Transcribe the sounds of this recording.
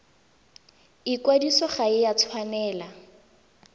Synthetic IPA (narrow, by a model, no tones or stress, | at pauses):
ikwadisɔχaɪjat͡sʰwanɛːla